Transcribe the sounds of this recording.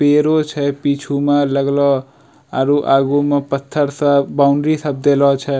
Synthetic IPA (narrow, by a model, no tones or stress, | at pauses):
peɾot͡ʃʰəpit͡ʃʰumãləɡlɔ | aɾuʔaːɡumepət̪ʰːəɾsabaʊ̃ɳɖɾisəb̚d̪elɔt͡ʃʰɛ